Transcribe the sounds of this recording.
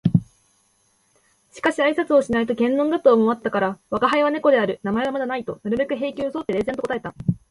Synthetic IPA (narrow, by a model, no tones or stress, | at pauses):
ɕi̥kaɕiaisat͡sɨo̞ɕinait̪o̞kẽ̞nːõ̞ŋɡɯt̪oːmo̞βat̪ːakaɾaβakaɦaiβane̞ko̞d̪e̞aɾɯ̟namae̞ɡamad̪anait̪o̞naɾɯ̟bʲekɯ̟ɦe̞ːkʲiːoso̞t̪ːe̞ɾe̞zẽnokot̪ae̞t̪a